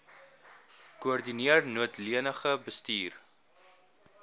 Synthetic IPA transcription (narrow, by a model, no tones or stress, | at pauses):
kuɔrdiniərnuətliənəχəbəstiːr